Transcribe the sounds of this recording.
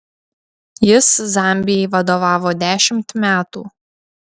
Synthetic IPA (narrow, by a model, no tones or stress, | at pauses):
jɪszɑˑmʲbʲɪjɛɪʋɐd̪oːʋɑːʋoːd̪ʲæːʃʲɪmʲt̪mʲæːt̪ṵː